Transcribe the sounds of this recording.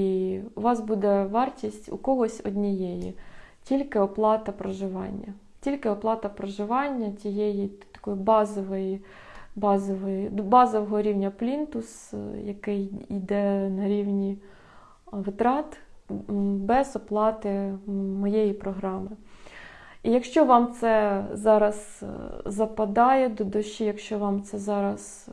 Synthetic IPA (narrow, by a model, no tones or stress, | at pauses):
iuʋɑsbud̪ɛʋɑrtʲisʲtʲṵkɔɦɔsʲɔdʲnʲijɛjḭtʲilʲkɪɔplˠɑt̪ɐpɾɔʒɪʋɑ̰nʲːɐ | tʲilʲkɪɔplˠɑt̪ɐpɾɔʒɪʋɑnʲːɐt͡sʲijɛjit̪ɐ̥kɔjʊbɑzɔʋɔji | bɑzɔʋɔjbɑzɔʋɔɦɔɾʲiwnʲɐplʲint̪ʊsjɐkɪjid̪ɛnɐɾʲiwnʲi | ʋɪt̪ɾɑt̪ | bɛzɔplˠɑt̪ɪmɔjejipɾɔɦɾɑmɪ | ijɐkʃt͡ʃɔʋɑmt̪sɛzɑɾɐzzɐpɐd̪ɑjɛd̪ɔd̪ɔʃijɐkʃt͡ʃɔʋɑmt̪sɛzɑɾɐs